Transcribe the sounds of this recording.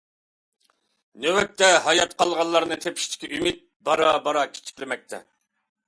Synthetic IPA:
nøwɛp̚t̪ːɛɦɑjɑt̪qʰɑlˠʁɑlˠːɑɾnɨt̪ʰepʰi̥ʃt̪ʰi̥kʲʰɛʔymit̪̚bɑɾɑbɑɾɑkʲʰe̥t͡ʃʰi̥kʲlɪmɛk̚ʲt̪ʰɛ̰

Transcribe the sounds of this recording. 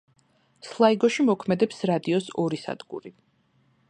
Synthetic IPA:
slˠaiɡɔʃimɔkʰmɛd̪ɛpsɾad̪iɔsɔɾisa̰d̪̥ɡṵɾi

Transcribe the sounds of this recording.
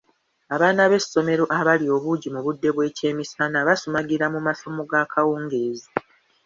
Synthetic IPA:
aβaːnaβe̞sːo̞me̞ɾo̞ʔaβalio̞ːβuɟimuβudːe̞βwe̞ːce̞ːmisanaβasumaɡiɾamumaso̞mo̞ɡaːkʰawuːŋɡe̞ːzi

